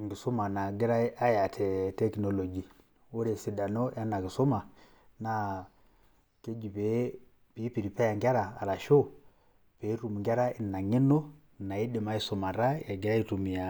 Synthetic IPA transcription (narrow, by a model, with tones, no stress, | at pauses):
ŋɡi˨sɔ˦ma˨na˨ɡɛ˦ɾa˦ʔa˦ja˨tʰɛ˨tɛ˦knɔ˨lɔ˨d͡ʒi˨ | o˦ɾɛ˨si˨˦da˨nɔ˦ja˦na˨ki˨sɔ˦ma˨ | na˨˦ | ke˦d͡ʒi˨pɛ˨˦ | pi˨˦pi˨ɾi˨pɛ˦ja˨ŋɡa˦ɾa̰ː˨ɾa˨ʃo˦ | pe˨˦ɾu˨m˨ŋɡa˦ɾa˦i˨na˨ŋi˦nɔ˦˨ | na˨i˦dɛ˨ma˨˦i˦sɔ˨ma˨ɾa˦ja˨ɡi˨ɾa˦i˦tu˨mi˨a˨